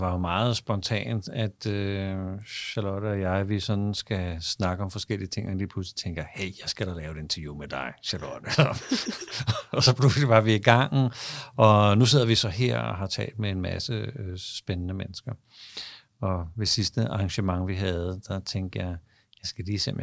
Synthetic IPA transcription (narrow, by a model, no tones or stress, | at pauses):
d̥ʋɑ̈jo̝mɑ̈ːð̞̩ˠsb̥ɒ̽nt͡sʰɛ̰ːnd̥æd̥ø | ɕælɔd̥əɒjɑ̈ɪʋisɒ̽nn̩sɡ̥æsnɑ̈ɡ̥əɒ̽mfɒ̽sɡ̥el̰iət͡sʰe̝ŋenliːpʰluslit͡sʰeŋɡ̥ɐheɪjɑ̈ɪsɡ̥æɾ̥ɑlɛːʊed̥e̝nt͡sʰɐjuːmed̥ɑ̈ɪɕælɔd̥əɒ | ɒsɒ̽pʰlusliʋɑ̈ʋiiɡ̥ɑ̈ŋ̰n̩ɒ̽nuse̝ð̰ˠɐʋisɒ̽ɦeɐ̰ɒ̰ɦɑ̈t͡sʰɛ̰ːld̥̚mee̝nmæsəøsb̥enənəmenəsɡ̥ɐ | ɒ̽ʋe̝sisd̥əʔɑ̈ːŋɕəmɑ̈ŋʋiɦɛð̞̩ˠəd̥ɑ̈t͡sʰeŋd̥jɑ̈ɪ | jɑ̈ɪsɡ̥æliːsem̰